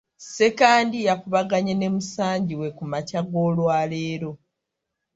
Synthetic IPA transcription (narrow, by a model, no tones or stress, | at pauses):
se̞kaːndijakuβaɡaɲene̞musaːɲɟiwe̞kumacaɡo̞ːlwaːle̞ːɾo̞